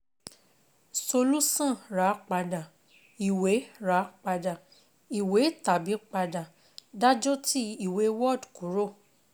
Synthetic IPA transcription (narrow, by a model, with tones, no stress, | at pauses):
so˧lu˦sã˦˨ɾa˨˦k͡pa˧da˨ | i˨we˨˦ɾa˨˦k͡pa˧da˨ | i˨we˨˦ta˨bi˨˦k͡pa˧da˨ | da˦d͡ʒo˦ti˦i˨we˨˦wɔ˦˨dku˨˦ɾo˦˨